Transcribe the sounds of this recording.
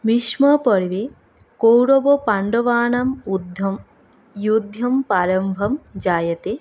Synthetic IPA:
ʋiʃmɐpɐɾiʋe | kowɾobopɐɳɖɐʋaːɳɐmud̪ʱjɐm | jud̪ʱjɐmpaːɾɐmbʱɐmd͡ʒaːjɐt̪e

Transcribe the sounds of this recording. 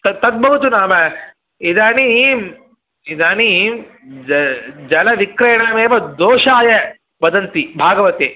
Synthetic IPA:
t̪ɐt̪ɐd̪̚bɐɦut̪unaːmɐ | id̪ʱaːnim | id̪aːnim | d͡ʒɐd͡ʒɐlɐʋikɾɐjɐɳameːʋɐd̪oːʃaːjɐ | bɐd̪ɐnt̪ibʱaːɡɐʋɐt̪e

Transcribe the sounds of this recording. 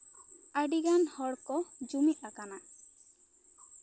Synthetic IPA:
aɖiɡanhɔɽkɔd͡ʒumiʔ̪akana

